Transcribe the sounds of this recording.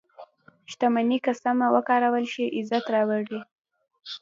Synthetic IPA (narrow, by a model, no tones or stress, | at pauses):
ʃt̪amanikasamawəkɑɾawəlʃiʔɪzat̪ɾɑwaɽi